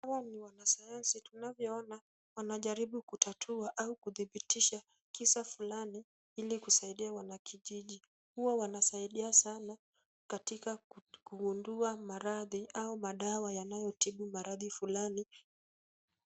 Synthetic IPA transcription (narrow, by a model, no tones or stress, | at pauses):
hawaniwanasajansitunavjɔɔna | wanaʄaɾiɓukutatʰuaʔaukuðiɓitiʃa | kisafulani | ilikusaiɗiawanakʰiʄiʄi | huwawanasaiɗiasana | katikakuɡunduamaɾaðiʔaumaɗawajanajɔtiɓumaɾaðifulani